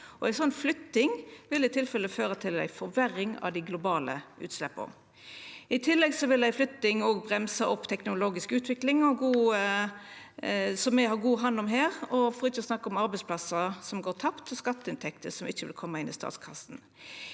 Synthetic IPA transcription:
ɔæɪsɔnːflʏt̪ːɪŋʋɪlɪt̪ʰɪlfɛləføːɾət̪ʰɪlæ̰ɪfɔɾʋæɾɪŋɑ̰ʋd̪ɪɡlʊbɑːlə̰ʔʉ̰ːt̪slɛpːə̰ | ɪt̪ʰɪlːɛɡsɔʋɪlæɪflʏt̪ːɪŋɔɡbʁɛmsɑʔɔpːt̪ʰɛknʊloːɡɪskʉːt̪ʋɪklɪŋɔɡuːə | sɔmːɛɦɑʁɡuːɦɑnːɔmɦæːʁɔfɔɾɪt͡ʃːəɔsnɑkːɔmɑɾbɛɪspʰlɑsəsɔmɡoːt̪ʰɑpt̪ʰːɪskɑt̪ːəɪnt̪ʰɛkt̪ʰəsɔmɪçːəʋɪ̰lkʰɔmːəɪnɪ̰st̪ɑ̰ːt̪skʰɑsn

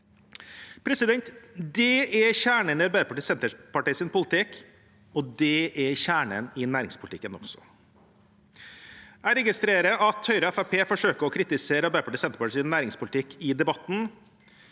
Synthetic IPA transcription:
pʰɾɛsɪd̪ɛnt̪d̪ɛɛçæːɳənɪɑɾbæɪəpʰɑʈisɛnt̪əpɑʈiːsɪnpʰʊlɪt̪ʰɪk | ɔd̪ɛʔɛçæːɳə̰nɪnæːɾɪ̰ŋspʊlt̪ʰɪkːənɔ̰ɡsɔ̥̰ | æɾɛɡɪst̪ɾeːɾəʔɑt̪hœʏɾəɛfæpʰeːfɔʂøːkəɾɔkʰɾɪt̪ɪseːɾəɑɾbæɪɾəpʰɑʈɪːsɛnt̪əpɑʈisɪnːæːɾɪŋspʰʊlɪt̪ʰɪkɪd̪ɛbɑt̪n̩

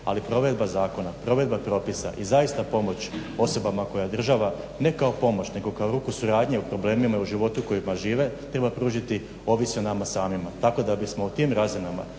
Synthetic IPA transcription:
a̰lipɾo̞ʋe̞d̪̚bazaːko̞napɾo̞ʋe̞d̪̚bapɾo̞pisa̰ʔizaist̪apo̞mo̞t͡ɕo̞so̞bamako̞jad̪r̩ʒaʋa | ne̞kao̞po̞mo̞t͡ɕne̞ɡo̞kaoɾuːkusuɾaːd̪ɲe̞upɾo̞ble̞ːmimauʒiʋo̞t̪uko̞jimaʒiːʋe̞t̪ɾe̞bapɾuːʒit̪i | o̞ʋisenamasaːmimat̪ako̞d̪abismo̞ut̪imɾazinama̰

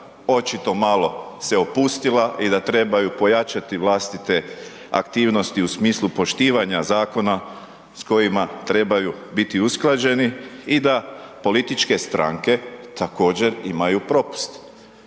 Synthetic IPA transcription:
o̞t͡ʃit̪o̞malˠo̞se̞opust̪ilaʔid̪at̪ɾe̞bajupo̞jat͡ʃat̪iʋlaːst̪it̪e̞ | a̰kt̪iːʋno̞st̪iusmiːslˠupo̞ʃt̪iːʋaɲazaːko̞na | sko̞jimat̪ɾe̞bajubit̪iusklˠad͡ʑe̞niid̪apo̞lit̪it͡ʃke̞st̪ɾa̰ŋke̞t̪ako̞ːd͡ʑe̞ɾimajupɾo̞pu̥st̪

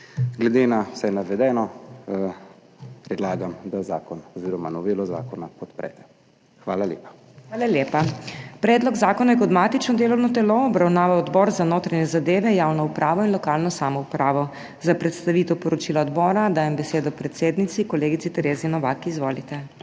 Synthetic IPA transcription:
ɡlɛd̪enawsajnaʋɛd̪ɛnɔ | pɾɛd̪laːɡamd̪azaːkɔnɔziːɾɔma̰nɔʋeːlɔza̰ːkɔnapɔt̪pɾɛ̰ːt̪ɛ | xʋaːlaljḛːpḁ | xʋaːlaljeːpapɾɛːd̪lɔɡzaːkɔnajɛkɔd̪mat̪it͡ʃnɔd̪eːlɔwnɔt̪ɛloːbɾawnaːʋaɔd̪bɔːɾzanoːt̪ɾaɲɛzad̪eːʋɛjaːwnɔupɾʔaːʋɔinlɔkalnɔsaːmɔupɾaːʋɔ | zapɾɛt̪st̪aʋit̪ɛwpɔɾɔt͡ʃiːlaɔd̪bɔːɾad̪aːjɛmbɛseːd̪ɔpɾɛt̪seːd̪nit̪sikɔleːɡit̪sit̪ɛɾeːzinɔʋakizʋoːlit̪ɛ

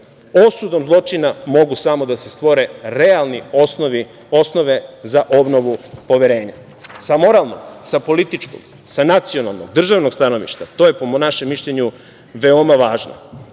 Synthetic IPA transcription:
osud̪o̞mzlˠo̞t͡ʃinamo̞ɡusamo̞d̪ase̞st̪ʋo̞ɾe̞ɾealˠniosnoʋi | o̞sno̞ʋezaʔo̞bno̞ʋupo̞ʋeɾe̞ːɲa | samo̞ɾalˠno̰ɡsapo̞lit̪it͡ʃko̰ɡ | sanat̪sijo̞na̰lˠnoɡ̚d̪r̩ʒaʋno̞ɡst̪ano̞ʋḭʃt̪at̪oje̞pomnaʃemːiʃʎeɲu | ʋeomaʋaːʒno̰

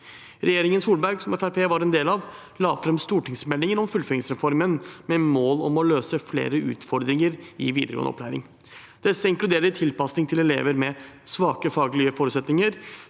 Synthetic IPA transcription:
ɾɛjeːɾɪŋənsuːlbæɾɡsɔmɛfæɾpʰeːʋɑɾɛnd̪eːlɑʋ | lɑːfɾɛmst̪uːʈɪŋsmɛlːɪŋənɔmfʉlfœɪŋsɾɛfɔɾmənmɛmoːlɔmɔløːsəflḛːɾəʉ̰ːt̪fɔɾd̪ɾɪŋəɾɪʋiːd̪əɾəɡo̰ːn̰ɔ̰pʰlæ̰ːɾɪ̰ŋ | d̪̥ɛsːəɪŋklʉd̪eːɾəɪt̪ʰɪlpɑsnɪŋt̪ʰɪlɛlḛːʋəɾmɛsʋɑːkəfɑːɡlɪəfoːɾʉt̪sɛt̪nɪŋəɾ

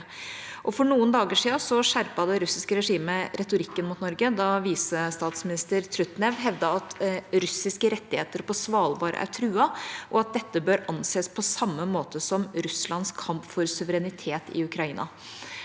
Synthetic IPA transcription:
ʔɔfɔɳuːənd̪ɑːɡəʂiːɑsɔʂæɾpɑd̪ɛɾʉsɪskəɾɛʂiːməɾɛt̪ʊɾɪkːənmʊt̪nɔɾɡəd̪ɑʋiːsəst̪ɑːt̪smɪnɪst̪əɾt̪ʰɾʉt̪nɛʋɦɛʋd̪ɑɑt̪ɾʉsɪskəɾɛt̪ːɪheːt̪əɾpʰɔsʋɑːlʋɑːɾə̰ʔæ̰ʈ̪ʰɾʉːɑʔɔɑt̪̚d̪ɛt̪ːəbøːɾɑnseːspʰɔsɑmːəmoːt̪əsɔmɾʉslɑnskʰɑmpfɔɾsʉʋəɾɛnɪt̪ʰeːt̪ɪ̰ʉkɾɑiːnɑ̰

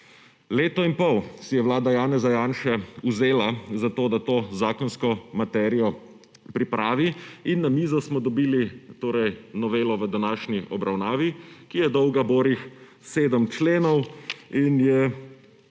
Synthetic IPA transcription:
leːt̪ɔinpɔwsijɛʋwlaːd̪ajaːnɛzajaːnʃɛuzeːlazat̪oːd̪at̪oːzaːkɔnskɔmat̪ɛːɾijɔ | pɾipɾʔaːʋiinːamiːzɔsmɔd̪ɔbiːlit̪oːɾɛjnɔʋeːlɔʋəd̪anaːʃniʔɔbɾawnaːʋikijɛd̪ɔwɡaboːɾix | seːd̪əmt͡ʃleːnɔwinjɛ

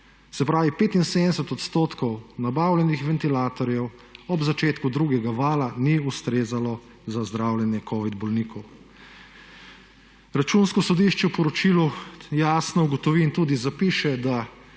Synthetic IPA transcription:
sɛpɾaːʋipeːt̪inseːd̪d̪ɛsɛt̪ɔt̪st̪oːt̪kɔwnabaːwlʲɛnixʋɛnt̪ilaːt̪ɔɾjɛw | ɔbzat͡ʃeːt̪kud̪ɾuːɡɛɡaʋaːlaniust̪ɾeːzalɔ | zazd̪ɾaːwljɛnjɛkʰɔːʋid̪bɔlniːkɔw | ɾat͡ʃunskɔsɔd̪iʃt͡ʃɛwpɔɾɔt͡ʃiːlujaːsnɔuɡɔt̪ɔʋiːnt̪uːd̪izapiʃɛd̪a

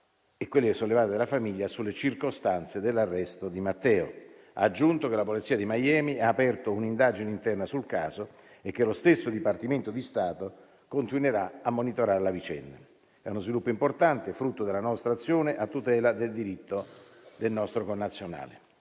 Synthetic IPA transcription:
ekːwelːɪsolːevaːt̪ed̪elafamiʎːasulːet͡ʃirkost̪ant̪sed̪elːarːɛst̪od̪imat̪ːɛːo̰ | a̰ːd͡ʒːunt̪okelapolit̪siːad̪imajɛːmiaːpɛrt̪ounind̪aːd͡ʒineint̪ɛrnasulkaːzo | ekːelost̪esːod̪ipart̪iment̪od̪ist̪aːt̪o | kont̪inweɾaamːonit̪oɾaːɾelavit͡ʃɛ̰nd̪a̰ | ɛunozvilupːoimport̪ant̪efɾut̪ːod̪elːanɔst̪ɾat̪sːjoːneʔat̪ːut̪ɛːlad̪eld̪iɾit̪ːo | d̪elnɔst̪ɾokonːat̪sːjona̰ːlḛ

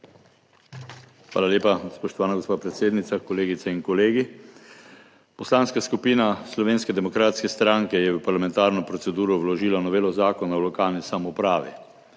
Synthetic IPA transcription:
xʋa̰ːlaleːpaspɔʃt̪ɔʋaːnaɡospaːpɾɛt̪seːd̪nit̪sakɔleːɡit̪sɛiŋkɔleːɡi | pɔslanskaskupiːnaslɔʋeːnskɛd̪ɛmɔkɾaːt̪skɛst̪ɾaŋkɛjɛʋəpaɾlamɛ̃nt̪aːɾnɔpɾɔt̪sɛd̪uːɾɔwlɔʒiːlanɔʋeːlɔzaːkɔnawlɔkaːlnisamɔpɾaːʋḭ

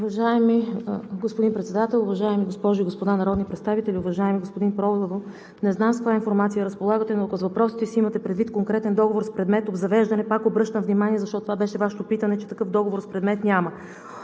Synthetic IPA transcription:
ʊvɐʒaɛmiɡospod̪inpɾɛt̪sɛd̪at̪ɛlˠʊvɐʒaɛmiɡospɔʒʊiɡospod̪anɐɾɔd̪nipɾɛt̪st̪avit̪ɛlʲiʊvɐʒaɛmiɡospod̪inpɾɔvo | nɛznamskovjainfoɾmat̪sijəɾəspolˠaɡət̪ɛnoɐkozvɐpɾɔsit̪ɛsiimɐt̪ɛpɾɛd̪vit̪̚koŋkɾɛt̪ɛnd̪ɔɡovoɾspɾɛd̪mɛt̪ob̪zɐvɛʒd̪ɐnɛpakobɾɤʃt̪əmvnimaniɛzɐʃt̪ɔt̪t̪ovabɛʃɛvaʃot̪opit̪ənɛt͡ʃɛt̪ɐkɤfd̪ɔɡovoɾspɾɛd̪mɛt̪nʲamə

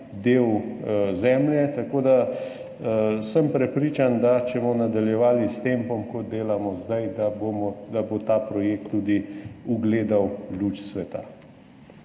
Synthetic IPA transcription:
d̪eːwzɛːmljɛt̪akoːd̪a | səmpɾɛpɾiːt͡ʃand̪at͡ʃɛmɔnad̪aljɛʋaːlist̪empɔmkɔd̪̚ːeːlamɔzd̪ajd̪abomɔd̪abot̪aːpɾɔjek̚t̪ːuːd̪iuɡleːd̪awlut͡ʃsʋɛt̪a̰

